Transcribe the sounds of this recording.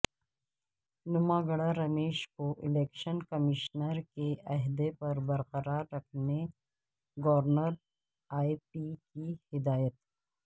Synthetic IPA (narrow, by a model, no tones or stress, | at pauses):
nʊmaːɡəɽaɾɐmeːʃkoʔɪleːkʃənkɐmɪʃnəɾkeʔɐɦd̪epɐɾbɐɾqɐɾaːɾːɐkʰne | ɡɐʋəɾnəɾ | aːipikihɪd̪aːjət̪